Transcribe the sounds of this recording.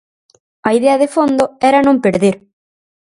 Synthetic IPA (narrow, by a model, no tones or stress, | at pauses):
ɐiðɛɐðefond̪oɛɾanõmpeɾðeɾ